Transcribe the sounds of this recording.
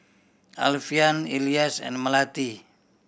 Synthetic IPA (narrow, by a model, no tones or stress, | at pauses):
a̰lfianiliasɛ̰nməlat̪i